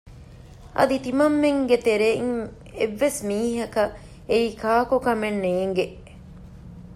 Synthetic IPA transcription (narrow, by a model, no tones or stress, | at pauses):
ʔɐ̰d̪it̪imɐmːeŋɡet̪eɾeiŋ | eʋːesmiːɦɐkɐ | eiːkaːkokɐmenːeːŋɡeʔ